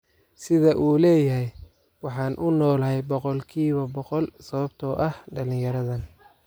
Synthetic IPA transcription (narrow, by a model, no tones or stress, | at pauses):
sɪðɐʔuːlɛːjɐɦɛj | wɑħɑːnʔʊnɔːlɐɦɛjbɔqɔlkʰiːβɐbɔqɔlsɐβɐbt̪ʰɔːʔɐhɖɐlɪ̃ŋjɐɾɐðɐn